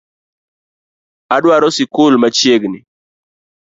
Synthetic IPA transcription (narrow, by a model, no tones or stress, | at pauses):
adwaɾɔsɪkʊlmat͡ʃjeɡnɪ